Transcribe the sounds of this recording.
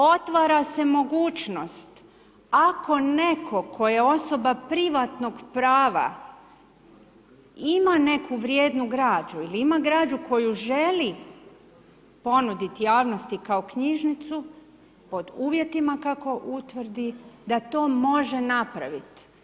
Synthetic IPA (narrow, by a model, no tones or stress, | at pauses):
o̞t̪ʋaːɾase̞mo̞ɡuːt͡ʃno̞st̪ | akʰo̞ne̞kʰo̞kʰo̞je̞o̞so̞bapɾiʋat̪no̞ɡpɾaːʋa̰ | imane̞kʰuʋɾje̞ːd̪nuɡɾaːd͡ʒuiliimaɡɾaːd͡ʒuko̞juʒe̞li | po̞nud̪it̪jaːʋno̞st̪ikao̞kɲiʒnit̪su | po̞d̪uːʋje̞t̪imakako̞ʔut̪ʋrd̪id̪at̪o̞ːmo̞ʒenapɾaʋit̪